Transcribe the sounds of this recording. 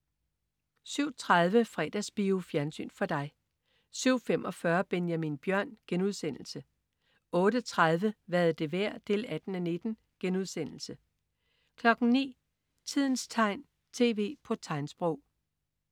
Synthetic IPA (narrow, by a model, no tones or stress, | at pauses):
syʊ̰t͡sʰʁaðˠʋəfʁɛ̰d̥æsb̥iufjæɐnsy̰ːnfɒ̽d̥ɑ̈ɪ | syʊ̰fem̰ʔɒ̽fɶɐb̥enjæminb̥jɶɐ̰nɡ̥enuðˠsen̰l̩sə | ɔ̽ːɾ̥ət͡sʰʁað̞ˠʋəʋæɐð̩ˠd̥e̝ʋæɐ̰d̥e̝læd̥n̩æne̝d̥n̩ | ɡ̥enuð̞ˠsen̰l̩sə | kʰlɒ̽ɡ̥n̩nḭː | t͡sʰið̞̰ˠn̩st͡sʰɑ̈ɪ̰n | t͡sʰe̝̰ːʋe̝̰ːpʰɒ̽t͡sʰɑ̈ɪnsb̥ʁɔʊ̰